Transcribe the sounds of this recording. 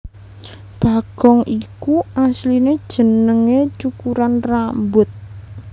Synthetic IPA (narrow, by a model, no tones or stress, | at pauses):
b̥a̤ɡ̥ɔŋʔikuaslined̥ʒ̥ə̤nəŋet͡ʃukuɾanrambʊt̪̚